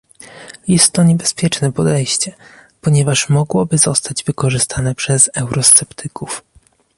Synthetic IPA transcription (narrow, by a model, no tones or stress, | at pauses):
jɛst̪ːɔɲɛbɛspʲjɛt͡ʂnɛpɔd̪ɛjɕt͡ɕɛpɔɲɛvaʂmɔɡwɔbɘzɔst̪ad͡ʑvɘkɔʐɘst̪ʰanɛpʂɛzɛwɾʔɔst̪sɛpt̪ʰɘkuf